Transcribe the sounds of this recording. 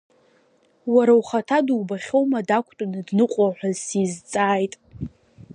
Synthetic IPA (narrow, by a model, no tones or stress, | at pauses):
waɾawχatʰaduwbaχʲo̞wmadakʷʰʼtʼʊnɨdnɨqʷʼaħʷᶣazsizt͡sʼaːjtʼ